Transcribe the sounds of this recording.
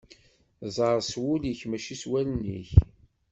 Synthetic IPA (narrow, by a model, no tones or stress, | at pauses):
zˤɑɾˤswʊləçmæʃiswælənːḭç